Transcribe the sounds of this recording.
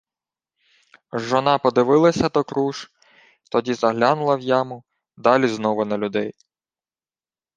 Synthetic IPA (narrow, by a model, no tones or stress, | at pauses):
ʒɔnɑpɔd̪ɪʋɪlˠɐsʲɐd̪ɔkɾuʃ | t̪ɔdʲizɐɦlʲɑnʊlˠɐwjɑmʊ | d̪ɑlʲiznɔʋʊnɐlʲʊd̪ɛj